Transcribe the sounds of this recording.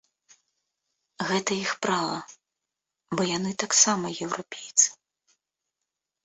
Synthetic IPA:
ɣɛt̪ɐjixpɾalˠɐ | bɔjanɨt̪aksamɐjɛwɾɔpʲejt̪sɨ̥

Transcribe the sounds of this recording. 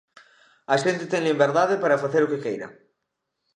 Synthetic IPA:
ɐʃent̪ɪt̪eŋlimbeɾðaðɪpaɾafaθeɾʊkɪkejɾɐ̰

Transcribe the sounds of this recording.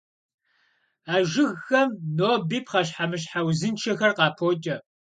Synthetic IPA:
aːʒɪɣːɐmnoːbiːpʰχɐɕ̬ħamɨɕħawzɨnt͡ʃʰɐxɐrqɑːpʰoːt͡ʃʼɐ

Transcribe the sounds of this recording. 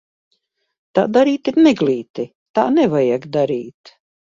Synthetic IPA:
t̪aːd̪aɾiːt̪iɾnɛɡliːt̪i | t̪a̰ːnɛvajaɡd̪aɾiːt̪

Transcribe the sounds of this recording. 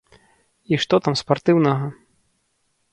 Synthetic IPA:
iʂt̪ɔt̪amspart̪ɨwnɐɣɐ

